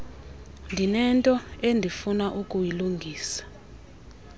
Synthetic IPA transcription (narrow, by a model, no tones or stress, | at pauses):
ndʱinɛntʼɔendʱifunaʔukʼujiluŋɡʱiːsḁ